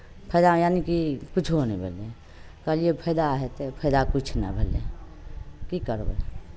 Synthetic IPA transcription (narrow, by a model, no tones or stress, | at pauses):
pʰəd̪ãjanikikʊt͡ʃʰɦonibʱəle | kəlijepʰəd̪aɦet̪epʰəːd̪akʊt͡ʃʰna̰bʱəlḛ | kikəɾbḛ